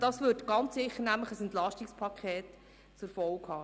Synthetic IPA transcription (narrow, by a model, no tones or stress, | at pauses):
d̥ɑsʋʏtɡ̥ɑnt͡sɪχːəɾnæmləχəsɛntlɑʃtɪkspʰɑkʰχɛːt | t͡sɛɾfɔlkhɑː